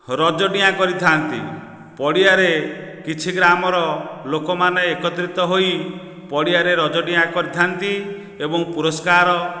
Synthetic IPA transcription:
ɾɔd͡ʒɔɖiakɔɾit̪ʰant̪ḭ | pɔɽiaɾekit͡ʃʰiɡɾamɔɾɔlokɔmaneːkɔt̪ɾit̪ɔɦoj | pɔɽiaɾeɾɔd͡ʒɔɖiakɔɾit̪ʰant̪i | ebɔŋpuɾɔskaɾɔ

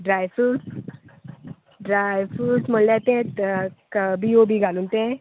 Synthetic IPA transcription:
ɖɾajfus | ɖɾajfusmollat̪ẽt̪kəbʱijobʱiɡʱalunt̪ẽ

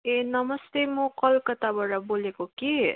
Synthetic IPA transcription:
enʌmʌst̪emũkʌlkʌt̪abaʈabolekoki

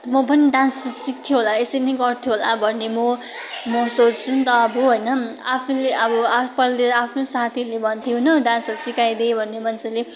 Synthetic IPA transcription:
mʌbʌniɖãnssik̚t̪ʰijoɦolaesʌnʌjɡʌrt̪ʰjoɦolabʱʌnːemʌ | mʌsot͡st͡sʰunt̪ʌʌbuɦojnʌapʰuleʔʌbʌapʌlleɾapʰnosat̪ʰilebʱʌnt̪ʰijonʌɖãnssikajd̪ebʱʌnːemʌnt͡sʌle

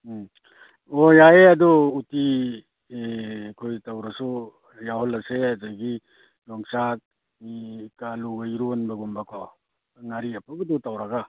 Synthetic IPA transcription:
ojajeaduːti | kʰojtawɾasu | jaɦɔlɐseazajɡi | lɔŋsak̚ | ikaluɡajɾunbɐɡumbakʰɔ | ŋaɾiapʰaɡɔdutawɾaɡa

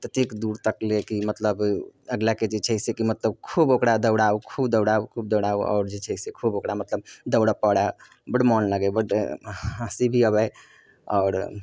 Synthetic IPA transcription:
t̪ət̪ikd̪uɾt̪əklekimət̪ləbəɡlaked͡ʒet͡ʃʰəɪsekimət̪ləb̚kʰubokɽad̪əʊɽaukʰubd̪əwɽaukʰub̚d̪əwɽauɔ̰ːɾd͡ʒet͡ʃʰəɪsekʰubokɽamət̪ləb̚d̪əʊɽapəɽa | bəɽmɔnləɡɛbəɽ | əsibʱiəbəj | ɔ̰ːɾ

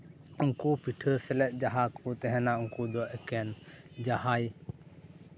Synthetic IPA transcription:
uŋkupiʈʰəɾsɛlɛʔ̪̚ˀd͡ʒaɦakʰut̪ɛɦɛ̃nauŋkud̪ɔʔɛkɛnd͡ʒahaj

